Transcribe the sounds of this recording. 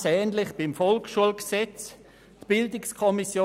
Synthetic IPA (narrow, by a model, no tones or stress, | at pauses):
sɛːnlɪχb̥ɪmfɔlkʃuəlksɛt͡s | tb̥ɪldɪkskʰɔmisjo